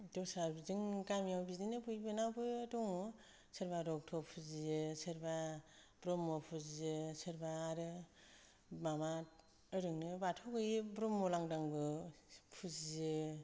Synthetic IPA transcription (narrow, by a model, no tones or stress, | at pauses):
dɔsaɾbzɯŋɡamijawbidinɯpɯjbɯnawbɯtɔŋɔ | sɯɾbaɾɔk̚tʰɔpʰuzizɯsɯɾbabɾɔmːɔpʰuzizɯsɯɾbaːɾɯ | mama | ɯɾɯŋnɯbatʰɔɡɯjibɾɔmːɔlaŋdaŋbɯpʰuzizɯ